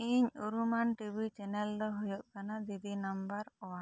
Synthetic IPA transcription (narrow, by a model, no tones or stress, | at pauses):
iɲoɾumanʈibit͡ʃɛnɛld̪ɔɦojɔʔ̚kanad̪id̪inambaɾɔwa